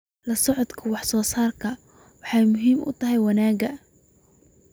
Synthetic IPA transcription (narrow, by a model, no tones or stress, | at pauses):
lɐsɔʕɔd̪kʰɐwɑħsɔːsaːrkʰɐ | wɑħɑjmʊɦiːmʊ̰t̪ʰɐɦɛjwɑnaːɡɐ